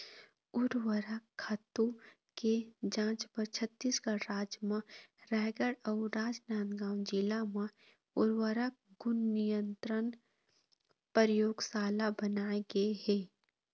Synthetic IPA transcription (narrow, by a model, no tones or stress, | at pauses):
ʊɾwəɾəkʰːat̪u | ked͡ʒãːt͡ʃpəɾt͡ʃʰət̪ːiːsɡaɽɾaːd͡ʒmãɾɛːɦɡəɽəʊɾaːd͡ʒnaːnɡãːwd͡ʒɪlamã | ʊɾwəɾək̚ɡʊnːijə̃nt̪ɾən | pəɾjoːɡsaːlabənaːeɡeeɦɛː